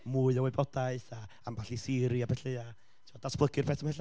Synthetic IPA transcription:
muːɨəwebɔdaɨθa | ambaɬisɪɾiabɛɬea | tʰɪmɔd̥asb̥lˠəɡɨrpʰɛtəmhɛɬa

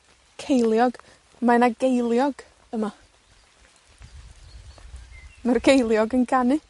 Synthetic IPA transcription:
kʰejlˠjɔɡ | manaɡejlˠjɔɡ̥ | əma | marɡejlˠjɔɡənɡanɨ

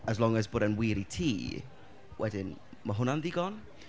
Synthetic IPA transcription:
əzlˠɔŋəzboːdənwɪɾitʰiː | wʔɛdɪn | maɦʊnanðiɡɔn

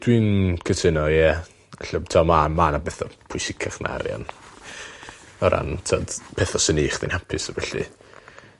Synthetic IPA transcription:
d̥wiːnkʰətʰənɔjɛ | aɬɔbtʰɔmamanabɛθɔpʰʊsɪkʰaχnʔa̰ɾjɔ̰n | ɔɾʔa̰ntʰɔd̥pʰɛθɔsəniːχdinhapʰɨsɔvɛɬɨ̰

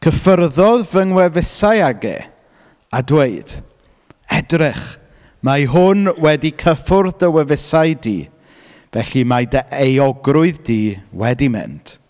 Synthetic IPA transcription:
kʰəfərðɔðvəŋwɛvɪsajaɡɛ̰ | adweɨd̥ | ɛdrɪχ | majɦʊnwɛdikʰəfʊrðəwɛvɪsaɨdḭː | vɛɬimadəejɔɡrʊɨðdiːwɛdimɪ̰ntʰ

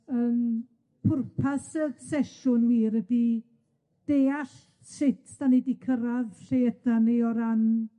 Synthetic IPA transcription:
əːn | pʰʊrpʰasəsɛʃʊnwiːɾədi | d̥eːaɬ | sɪtʰd̥anidikʰəɾaðɬeədanejɔɾan

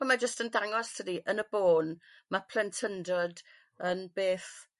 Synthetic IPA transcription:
ɔmad͡ʒəstəndaŋɔstʰədiʔənəboːn | mapʰlɛntʰəndɔd | ənbeːθ

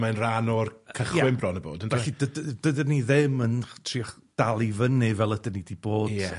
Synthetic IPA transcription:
manranɔrkʰəχjɛwɪmbrɔnəbo̰ːdənaidəddədəniðɪməntʰriːχd̥alˠivənɪvɛlˠədənidiboːdj̥ɛ

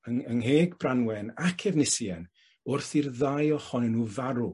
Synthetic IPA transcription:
əŋənɦeːɡbranwɛnakʰɛvnɪsjɛn | ʊrθirðajɔχɔnɛnuvaɾu

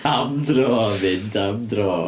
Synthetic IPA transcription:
amdrɔːvɪndamdrɔː

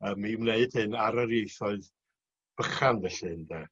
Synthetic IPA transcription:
əːmːimneɨd̥hɨnaɾaɾjejθɔɨð | b̥əχanvɛɬɨndɛ

